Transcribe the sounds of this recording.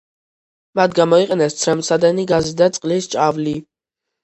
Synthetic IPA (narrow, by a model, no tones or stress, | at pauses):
mat̪ʰɡamɔiqʼɛnɛst̪sʰɾɛmsad̪ɛniɡazid̪at̪sʼqʼlist͡ʃʼavli